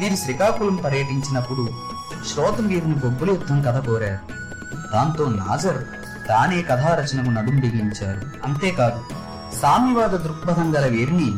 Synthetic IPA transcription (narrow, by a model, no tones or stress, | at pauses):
ʋiːɾiʃɾikaːkulɐmpɐɾjɐʈiɲt͡ʃinɐpːuɽu | ʃɾɔːt̪ɐmʋiːɾuniɡobːuljut̪ʰːɐmkɐd̪ʰʱɐkoːɾaːɾu | d̪̥aːnt̪o̞ːna̰ːd͡ʒɐɾ | t̪aːne̞ːkɐd̪ʱʰaːɾɐt͡ʃɐnɐmunɐd̪umd̪iɡiɲt͡ʃaːɾu | ɐnt̪e̞ːkaːd̪u | saːmiʋaːd̪ɐd̪ɾukbɐd̪ɐŋɡɐlɐʋiːɾini